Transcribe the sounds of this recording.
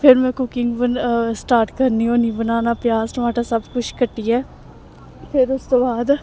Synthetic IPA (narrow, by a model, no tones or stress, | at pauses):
pʰɪɾmɛ̃ːkʊkɪŋɡbənsʈaːɾʈkəɾniːɦoːniːbənaːnaːpjaːztʋaːʈaːsəbkʊt͡ʃʰkəʈːiːɛː | pʰɪɾʊst̪õːbaːd̪